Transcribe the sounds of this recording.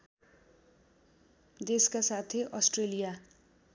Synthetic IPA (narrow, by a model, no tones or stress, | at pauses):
d̪eskasat̪ʰeʔʌsʈrelija